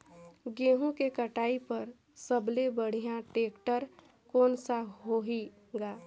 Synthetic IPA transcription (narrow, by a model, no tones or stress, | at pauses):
ɡeːɦũkekəʈaːipəɾ | səblebəɽ̤ijãʈeːkʈəɾ | kɔːnsaɦoɦi | ɡaː